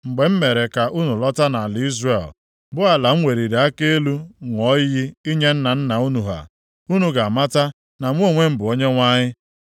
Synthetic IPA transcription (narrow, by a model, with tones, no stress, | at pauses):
ŋ͡m̩˨ɡ͡be˨m̩˦me˨ɾe˨ka˨ʔu˦nu˨lɔ˦ta˦na˨li˦zre˨l | bʊ˦a˨la˨ŋ͡m̩˦ŋʷe˨ɾi˨ɾe˨˦a˦ke˦e˦lu˦ŋʷɔ˦ji˦i˦ɲe˦n̩˦na˨n̩˦na˨u˦nu˨ɦa̰˨ | u˦nu˨ɡa˨a˨ma˦ta˦ | na˨ŋʷ˦o˦˨ŋʷe˦m̩˦bʊ˨o˦ɲe˦ŋʷa˦ɲɪ˦